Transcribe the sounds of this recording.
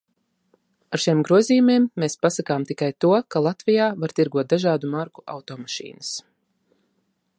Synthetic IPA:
aɾʃimɡɾuɔziːjumiɛmːeːspasakaːmt̪ikajt̪uɔkalˠat̪vijaːvaɾt̪iɾɡuɔt̪̚d̪aʒaːd̪umaɾku̥ʔa̰wt̪ɔːmaʃḭːnəs

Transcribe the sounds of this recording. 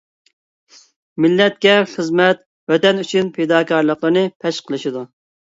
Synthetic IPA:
mɪlːɛt̪̚kʲɛχəzmɛt̪̚ | wɛt̪ɛnyt͡ʃʰynpʰed̪ɑːkʰɑɾlˠəqlˠəɾnɨpʰɛʃqʰəlˠɨʃid̪u

